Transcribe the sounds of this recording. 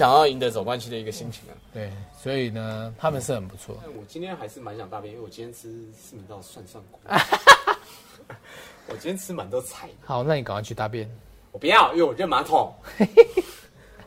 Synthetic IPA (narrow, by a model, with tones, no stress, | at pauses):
ɕjɑ˨˩ŋjɑ˥˩ʊi˧˥nd̪ə˧˦t͡so˨˩ʊkwa˦nɕi˥˨d̪ə˨˩i˧˥ɡə˨ɕi˥ŋt͡ɕʰi˧˥ŋə̰˨˦t̪we˥˩ɪswɔ˧˦˥i˨˩nə˩t̪ʰa˥mə˨nʂɻ̩˥˩xə˨˩npu̥˧˦t͡sʰwɔ̰˥˨˥wɔ˨˩t͡ɕi˥nt̪ʰjɛ˥nxa˧˥ɪʂɻ̩˥˩ma˧˦nɕjɑ˨˩ŋt̪a˥˧p̬ijnĩ˥˨˩wt͡ɕi˦nʰjʲɛ˥ɻ̩˥s̩˥˩ma˨˩nt̪ɑ˥˧ʊswa˥˧nsa˥˩ŋk | wɔ˨˩t͡ɕi˥nt̪jɛ˥nt͡sʰɻ̩ɨ˥ma˨˦nt̪o˧˥˦t͡sʰa˨˩˦ɪha˨˩˦ʊna˥˩ni˨ka˨ŋjt͡ɕʰy˥˧t̪a˥˩p̬jɛ˥n | wɔ˨˩pu˧˦jɑ˥˨ʊjɛ˥˩wɔ˨˩ɻə˥˩nma˧˦t̪ʰo˨˩˦ŋwe